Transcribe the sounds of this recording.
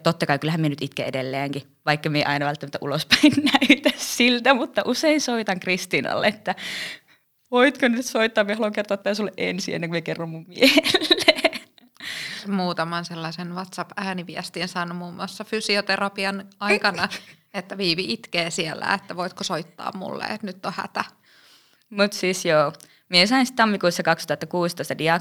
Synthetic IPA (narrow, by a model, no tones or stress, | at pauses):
t̪ot̪ːɑkɑikylːæhæmienyt̪it̪kḛedelːeæːŋki | ʋɑikːɑmieiʔɑinɑʋælt̪ːæmæt̪ːæʔulospæinnæyt̪æssilt̪æmut̪ːɑʔuseinsoit̪ɑŋkrist̪inɑ̰lːḛet̪ːæ | ʋoit̪konyt̪soit̪ːɑːmiehɑloŋkert̪oɑt̪ːt̪æysolːeʔʔḛnsiḛnːeŋkumiekerːommummieellːeː | muːt̪ɑmɑnselːɑsenʋɑt̪sɑpæːniʋiɛst̪insɑːnumuːmːuɑsːɑfysiot̪erɑpiɑnɑikɑnɑ | et̪ːæʋiːʋiʔit̪keːsielːæ̰et̪ːæʋoit̪kosoit̪ːɑ̰ːmmṵlːḛḛt̪nyt̪ːohæ̰t̪æ | mut̪siːsjoː | miesɑinsi̥t̪t̪ɑmːikuːsːɑkɑkst̪uhɑt̪ːɑkuːst̪oist̪ɑdiɑ